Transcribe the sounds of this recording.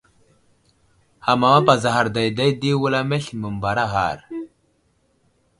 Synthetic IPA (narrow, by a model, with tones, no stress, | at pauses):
ha˨ma˨wa˦pa˨za˨ɦa˨ɾda˨jda˦jdi˦wə˦la˦me˦ɬmə˨mba˨ɾa˦ɦa̰˨ɾ